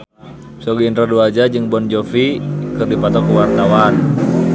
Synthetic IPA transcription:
sɔɡiintɾaduad͡ʒad͡ʒɨŋbɔnd͡ʒofikɨrdipat̪ɔkəwart̪awan

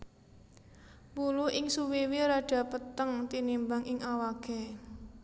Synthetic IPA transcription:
puluʔɪŋsuwiwiɾaɖ̥a̤pət̪əŋt̪inimbaŋɪŋʔawaɡ̥ɛ

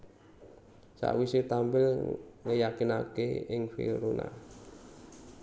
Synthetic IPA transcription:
sa̰ʔwiset̪ambɪlŋəjakinakeɪŋfḭɾuna̰

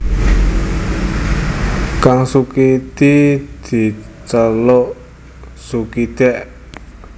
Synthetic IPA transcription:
kaŋsukid̪id̪̥i̤t͡ʃəloʔ | sukid̪̥ɛʔ

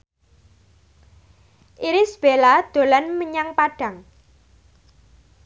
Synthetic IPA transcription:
ʔiɾɪsb̥elad̪̥o̤lanməɲaŋpaɖ̥ä̤ŋ

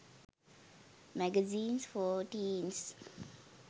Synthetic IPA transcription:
mæɡəzĩːnsfɔːʈĩːns

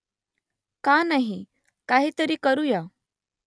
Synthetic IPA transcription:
kanaɦi | kaɦiːt̪əɾiːkəɾuja

